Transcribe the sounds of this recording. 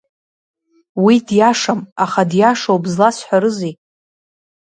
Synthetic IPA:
widjaʂamaχadjaʂowbzlasħʷaɾɨzi

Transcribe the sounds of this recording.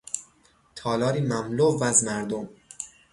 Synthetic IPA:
t̪ʰɒːlɒːɾiːmæmlovæzmæɾd̪om

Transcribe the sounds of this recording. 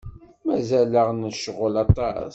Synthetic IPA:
mæzæləʁnəʃəʁːəlɑt̪ˤɑ̰s

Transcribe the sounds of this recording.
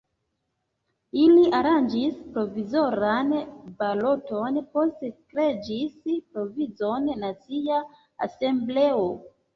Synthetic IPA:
iliaɾand͡ʒispɾo̞vizo̞ɾanbalo̞tonpo̞stekɾe̞d͡ʒispɾo̞vizo̞nnat͡sia | a̰se̞mble̞o

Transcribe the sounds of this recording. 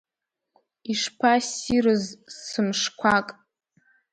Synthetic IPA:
iʂpʰasiɾɨzsɨmʂkʷʰakʼ

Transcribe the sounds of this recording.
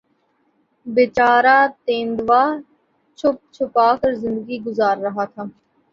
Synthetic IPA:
bet͡ʃaːɾaːt̪ẽːnd̪ʋaː | t͡ʃʰʊp̚t͡ʃʰʊpaːkəɾzɪ̃nd̪əɡiɡʊzaːɾːəɦaːt̪ʰaː

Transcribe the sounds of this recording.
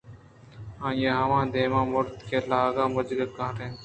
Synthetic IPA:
ãːjeɦəʋãːd̪eːmãːmʊɾt̪kʰeːlaːɡãːməd͡ʒɡəkãːɾẽː

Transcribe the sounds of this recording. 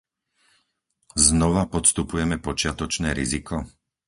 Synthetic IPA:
znɔʋapɔt̪st̪upujɛmɛpɔt͡ʃɪat̪ɔt͡ʃnɛːɾizikʰɔ

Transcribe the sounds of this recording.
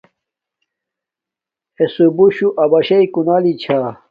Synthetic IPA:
esubuɕuʔɐbɐɕɐikunaːlit͡ɕʰaː

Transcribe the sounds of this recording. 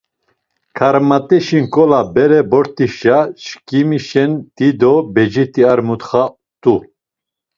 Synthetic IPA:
kʰaɾmat̪ʼɛʃinkʼɔlabɛɾɛbɔɾt̪ʼiʃaʃkimiʃɛnt̪id̪ɔbɛd͡ʒit̪ʼiaɾmut̪χa | t̪ʼu

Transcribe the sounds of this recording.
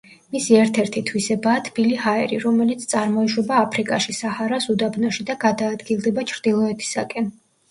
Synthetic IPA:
misiɛɾt̪ʰɛɾt̪ʰit̪ʰwisɛbaːt̪ʰbilihaɛɾiɾɔmɛlit̪sʰt̪sʼaɾmɔiʃwɛbaːpʰɾikʼaʃisahaɾasud̪abnɔʃid̪aɡad̪aːd̪ɡilˠd̪ɛbat͡ʃʰɾd̪̥ilˠɔɛt̪ʰi̥sakʼɛn

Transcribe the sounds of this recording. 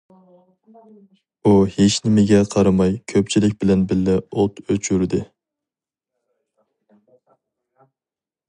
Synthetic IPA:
uheʃnɪmɪɡʲɛqʰɑɾɑmɑjkʲʰøp̚t͡ʃʰilɪkʲbɪlɛnbɪlːɪot̪øt͡ʃʰyɾd̪ɪ

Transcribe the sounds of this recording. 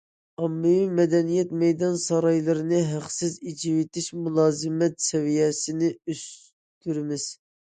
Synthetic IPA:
ɑmːɪwimɛd̪ɛnijɛt̪mɛjd̪ɑnsɑɾɑjlˠɨɾɨnɨɦæqsɪzid͡ʒiwɪt̪ɪʃmulˠɑːzɨmɛt̪sɛvijɛsɪnɪys | t̪yɾɪmɪz̥

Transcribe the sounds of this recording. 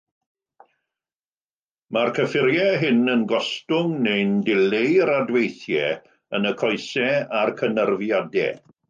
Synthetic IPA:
markʰəfɪɾjɛɦɪnənɡɔstʊŋnejndɪlejɾadwejθjɛ | ənəkʰɔɨsɛarkʰənərvjadɛ̰

